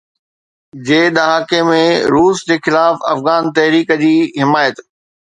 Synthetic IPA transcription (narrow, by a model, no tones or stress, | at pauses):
d͡ʑeːɗ̪ɐɦaːkemẽɾuːsd͡ʑeːxɪlaːfɐ̰fɣaːnt̪ɐɦɾiːkəd͡ʑiːɦɪmaːjət̪